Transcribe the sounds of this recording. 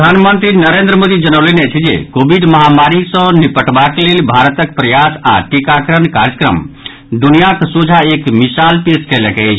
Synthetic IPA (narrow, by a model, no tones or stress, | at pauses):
pəd̪ʱanmənt̪ɾinəɾend̪ɾəmod̪id͡ʒənəwlɛneət͡ʃʰd͡ʒḛkobʱiɖməɦamaɾisə̃nipəʈbaklelbʱaɾət̪ək̚pɾəjasa̰ʈikakɾənkaɾjəkɾə̰m | d̪unijaksod͡ʒʱaekmisalpeskɛlɛkɛt͡ʃʰ